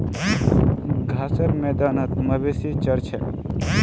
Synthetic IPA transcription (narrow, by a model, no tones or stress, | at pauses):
ɡʱaːsɐɾmeːd̪aːnat̪mɐbesit͡ʃɐɾt͡ʃʰe